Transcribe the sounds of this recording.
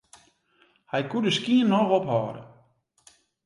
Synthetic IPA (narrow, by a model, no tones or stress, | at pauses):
hajkudəskiənːɔɣɔphɔ̰ːɾə̰